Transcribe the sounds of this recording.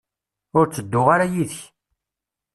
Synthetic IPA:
ʊɾt͡sːəd̪ːʊʁaɾajiðəç

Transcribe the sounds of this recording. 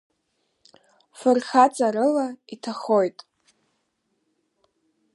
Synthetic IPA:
fɨrχat͡sʼaɾɨlaitʰaχo̞jtʼ

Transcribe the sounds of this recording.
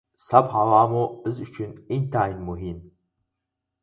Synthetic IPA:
sabħalaːmoɨzut͡ʃʰɪnintʰaːjnmuɦin

